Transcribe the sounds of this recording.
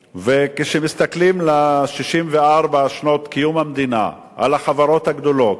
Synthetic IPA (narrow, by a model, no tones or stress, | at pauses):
vekeʃemist̪aklimlaʃiʃimveaʁbaʃno̞t̪kijumhamd̪ina̰ | ʔa̰laχavaʁo̞t̪haɡd̪o̞lot̪